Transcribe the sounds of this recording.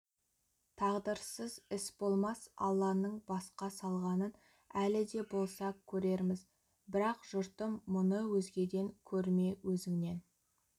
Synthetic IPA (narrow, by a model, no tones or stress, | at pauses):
t̪ʰɑʁd̪əɾsəzɪsbo̞lˠmɑsɑ̰lˠːɑnəɴbɑsqɑsɑlˠʁɑnən | ælɪd̪e̞bo̞lˠsɑkʲʰɵɾe̞ɾmɪz | bɪɾɑqʒ̥ʊɾt̪əmːʊnəwɵzɡʲe̞d̪e̞ŋkʲʰɵɾme̞wɵzɪŋne̞n